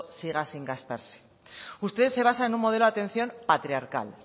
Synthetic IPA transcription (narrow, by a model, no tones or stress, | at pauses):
siɣ̞asiŋɡast̪a̰ɾse̥ | ust̪e̞ðe̞sːe̞β̞asaenummo̞ð̞e̞loat̪e̞n̟θjo̞mpat̪ɾiaɾka̰l